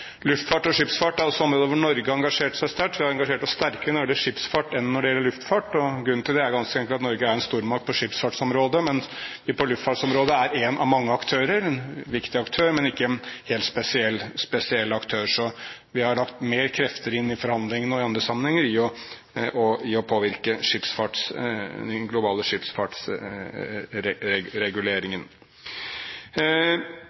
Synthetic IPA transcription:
lʉft̪fɑʈːɔʂɪpsfɑʈːæɾɔsːɔɔmɾoːd̪oːʋəɳɔɾɡəɑŋɡɑʂeːʈsæɪst̪æʈːʋɪhɑɾɛŋɡɑʂeːʈɔsst̪æɾkəɾənɔjɛləʂɪpsfɑʈːɛnːɔɖɛjɛlːəɭʉft̪fɑʈːɔɡɾʉnʰɪld̪ɛæɾɡɑnskəɛŋklɑt̪nɔɾɡəæɾɛnst̪uːɾmɑkt̪̚pʰɔʂɪpsfɑʈsɔmɾoːd̪əmɛnʋɪpʰɔlʉft̪fɑʈsɔmɾoːd̪əæɾenʔɑ̰ʋmɑŋːəɑkt̪ʰøːɾəɾɛnʋɪkt̪ɪɑkt̪ʰøːɾmɛnɪkːəɛnheːlt̪spɛsɪɛlːspɛsɪɛlːəɑkt̪ʰøːɾʂɔʋɪhɑɾɭɑkt̪meːɾkʰɾɛft̪ʰəɾɪnːɪfɔɾhɑnd̪lɪŋənɔɪɑnd̪ɾəsɑmːənɛŋəɾɪɔ | ʔɔɪɔpʰoːʋɪɾkəʂɪpsfɑʈsɛɡlʊbɑːləʂɪpsfɑʈs | ɛɛɾɛɡʉleːɾɪŋən

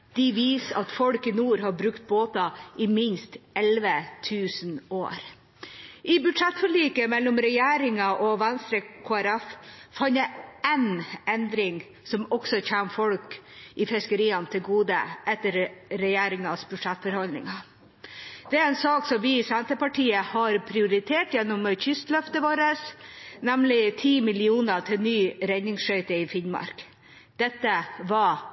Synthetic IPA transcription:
d̪̥ɪʋiːsɑ̰t̪fɔlkɪnuːɾhɑbɾʉkt̪̚boːt̪ɑʔɪmɪnst̪ɛlʋət̪ʰʉːsno̰ːɾ | ʔɪbʉd̪ʂɛt̪fɔɭiːkəmɛlːɔmɾɛjeːɾɪŋɑʔɔʋɛnst̪ɾəkʰoːæɾɛffɑnːəɛnɛnd̪ɾɪŋ | sɔmɔksɔçæːnfɔlkʔɪfɛskəɾiːɑnt̪ʰɪlɡuːd̪ə̰ʔɛt̪ːəɾːɛjeːɾɪŋɑsb̥ɾʊʂɛt̪fɔɾhɑlnɪ̰ŋɑ | d̪̥ɛæɾɛnsɑːksɔmʋɪːsænt̪əpɑʈʰiːəhɑɾpʰɾɪʊɾɪt̪ʰeːʈjɛnːɔməçʏst̪lœft̪əʋoːɾəsnæmlɪt̪ʰiːmɪlɪuːnət̪ʰɪlnyːɾɛnɪŋsʂœʏt̪əɪfɪnmɑ̰ɾk | d̪̥ɛt̪ːəʋɑ

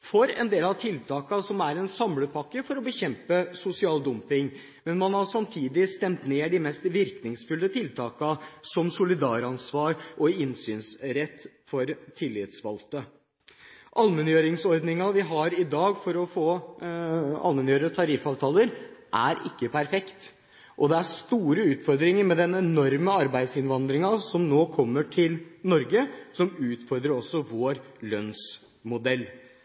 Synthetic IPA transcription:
fɔɾɛ̰nd̪eːlɑʋt̪ʰɪlt̪ʰɑːkɑsɔmæɾɛnsɑmɽəpʰɑkːəfɔɾɔbəçɛmpəsʊsɪɑːld̪ɔmpɪŋ | mɛnmɑnhɑɾsɑmt̪ʰiːd̪ɪst̪ɛmt̪neːd̪ɪmɛst̪ʋɪɾknɪŋsfʉlːət̪ʰɪlt̪ʰɑːkɑsɔmsʊlɪd̪ɑːɾɑnsʋɑːɾʔɔɪnsyːnsɾɛt̪ː | fɔɾt̪ʰɪlːɪt̪sʋɑ̰lt̪ə | ʔɑlmənjøːɾɪŋsɔɾd̪nɪŋɑʋɪɦɑɾɪd̪ɑːɡfɔɾɔfoː | ɑ̰lmənjøːɾət̪ʰɑɾifɑːʋt̪ʰɑːləɾʔæɾʔɪ̰kːəpʰæɾfɛkt̪ | ʔɔd̪ɛæst̪uːɾəʉːt̪fɔɾd̪ɾɪŋəɾmɛd̪ɛnɛnɔɾməɑɾbæɪd̪sɪnʋɑnd̪ɾɪŋɑsɔmnoːkʰɔmːəʈʰɪlnɔɾɡəsɔmʉːt̪fɔɾd̪ɾəɾɔsːɔʋoːɾlœns | mʊd̪ɛlː

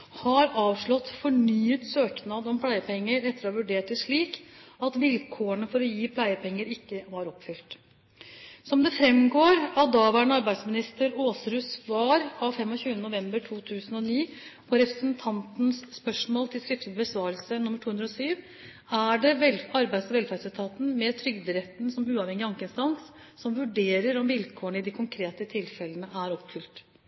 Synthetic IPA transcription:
hɑɾɑːʋʂɭɔt̪fɔɳyːət̪søːknɑd̪ɔmpʰlæɪəpʰɛŋːəɾɛt̪ːəɾɔɑʋʉɖeːʈɪʂɭiːkɑt̪ʋɪlkʰoːəɳəfɔɾɔjiːpʰlæɪəpʰɛŋːəɾɪkːəʋɑɾɔpfʏlt̪ | sɔmd̪ɛfɾɛmɡoːɾɑt̚d̪ɑːʋæɳəɑɾbæɪd̪smɪnɪst̪əɾoːsɾʉːsʋɑːɾɑʋfɛmːɔçʉːənənʊʋɛmbəɾʈʰuːt̪ʰʉːsənɔniːpʰɔɾɛpɾəsənt̪ʰɑnt̪nsːpœʂmoːlt̪ʰɪlskɾɪft̪əbəsʋɑːɾəlsənʊmːəʈʰuːhʉnd̪ɾɔsyːʋ | æɖɛʋɛlɑɾbæɪsɔʋɛlfæsət̪ʰɑːt̪n̩mɛt̪ʰɾʏɡd̪əɾɛt̪ːn̩sɔmʉːɑʋhɛŋːɪɑŋkɪnst̪ɑns | sɔmʋʉɖeːɾəɾɔmʋɪlkʰoːəɳəɪd̪ɪkʰʊŋkʰɾeːt̪ət̪ʰɪlfɛlənəʔæɾɔpːfʏlt̪

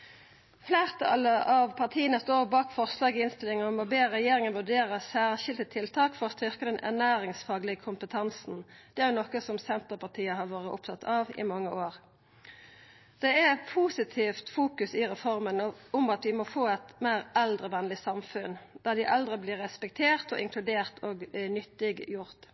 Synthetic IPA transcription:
fleːʁt̪ʰɑ̰ːləʔɑʋpʰɑʁt̪ʰiːənəst̪oːʁbɑːkfɔʁslɑːɡɪɪnst̪ɪlɪŋəɔmɔbeːʁɛjeːɾɪŋənʋʉɖeːʁəsæːʁʃɪld̪ət̪ʰɪlt̪ʰɑːkfɔʁst̪ʏʁkəd̪ənʔæ̰ʁnæːɾɪŋsfɑːɡlɪəkʰʊmpət̪ʰɑnsn̩d̪̥ɛæɾjʊnɔkəsɔmsɛnt̪əʁpɑʁt̪ʰiːəɦɑːʁʋoːʁəʔʊ̰pt̪ʰɑt̪ʰːɑʋɪ̰mɑŋːəʔoːʁ | d̪̥ɛæpʰuːsɪt̪ʰiːft̪fuːkʉsɪʁɛfɔɾmənʊmɑt̪ʋɪmɔfoːɛt̪mæɪʁɛld̪ʁəʋɛnlɪsɑmfʉnd̪̥æʁd̪ɪʔɛld̪ʁəblɪːɾːɛspɛk̚t̪ʰeːʁt̪ɔ̰ːʔɪŋkʰlʉd̪eːʁt̪oːɡnʏt̪ːɪɡjʊʁt̪

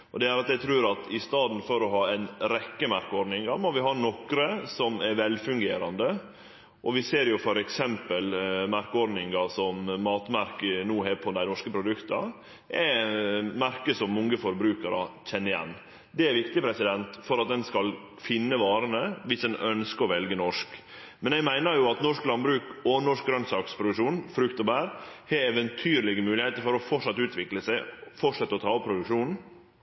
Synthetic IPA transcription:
ʔɔd̪ɛæɾɑt̪j̪æt̪ʰɾʉːɾɑt̪ʰɪst̪ɑːd̪n̩fɔɾɔɦɑːæɪnɾɛkːəmɑɾkɔɾnɪŋɑɾmɔʋɪɦɑːnɔkɾəsɔmɛɾʋɛlfʉŋɡeːɾɑnd̪ə | ʔɔʋɪseːɾjʊfɔɾɛksɛmpəlmɑɾkɔɾnɪŋɑsɔmːɑːt̪mæɾkənuːhɛpʰɔd̪æɪnɔʂkəpʰɾʊd̪ʉkt̪ɑ̰ | ʔɛ | mæɾkəsɔmːʊŋɡəfɔɾbɾʉːkɑɾɑc͡çɛnːəɪjɛ̰nː | d̪ɛæɾʋɪkt̪ɪpʰɾɛsɪd̪ɛnt̪fɔɾɑt̪̚d̪ɛnskɑl | fɪnːəʋɑːɾənəʋɪsd̪ɛnœnskəɔʋɛlɡənɔʂk | mɛnɛɪmæɪnəɾjʊɑt̪nɔʂklɑnbɾʉːkɔnɔʂk̚ɡɾœnsɑːkspʰɾʊd̪ʉkʂuːnfɾʉkt̪ɔbæːɾhɛɛʋənt̪ʰyːɾlɛɡəmʉːlɪheːt̪əɾfɔɾɔfɔʂɑt̪ːəʉːt̪ʋɪkləsæɪfɔʂɛt̪ːəɔt̪ʰɑːɔpːʰɾʊd̪ʉkʂuːnn̩

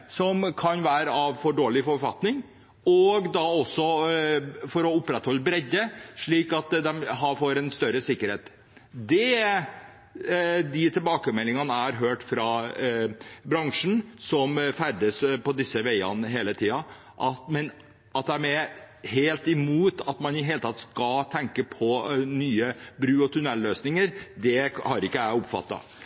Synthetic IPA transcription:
sɔmkʰɑnʋæːɾəɑʋfɔɖoːlɪfɔɾfɑt̪nɪŋ | ɔɡd̪ɑɔsːɔ | fɔɾɔʊpːɾɛt̪hɔlːəbɾɛɟəʂɭiːkɑt̪d̪ɛmɦɑfɔɾɛnst̪œɾəsɪkːəɾheːt̪ | d̪ɛæ | d̪ɪt̪ʰɪlbɑːkəmɛlːɪŋɑnəæɾɦøːʈfɾɑ | bɾɑŋʂn̩sɔmfæɾɖəspɔd̪ɪsːəʋeɪɑ̰nɦeːlət̪ʰiːɑ | ʔɑt̪mɛn | ɑt̪̚d̪ɛmɛ | heːlt̪ɪmuːt̪ɑt̪mɑnɪɦeːlət̪ʰɑt̪ːskɑt̪ʰɛŋkəpʰɔnyːəbɾʉːɔt̪ʰʉnɛlːøːsnɪŋəɾd̪ɛhɑɾɪkːəæɪʊpfɑ̰t̪ːɑ̰

